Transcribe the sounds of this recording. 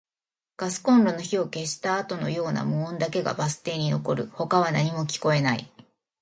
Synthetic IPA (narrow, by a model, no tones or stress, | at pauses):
ɡ̥asɨ̥kõ̞nɾo̞no̞çio̞ke̞ɕi̥t̪aːt̪o̞no̞̰jo̞ːna̰mɯ̃ːnd̪ake̞ɡa̰basɨ̥t̪e̞ːɲ̟ino̞ko̞ɾɯ̟ho̞kaβ̞anaɲ̟imo̞kʲi̥ko̞e̞naḭ